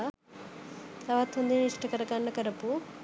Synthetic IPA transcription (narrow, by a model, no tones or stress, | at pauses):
ɐʋat̪ːund̪iniʂʈɐkɐɾɐkaɳːɐkɐɾɐpu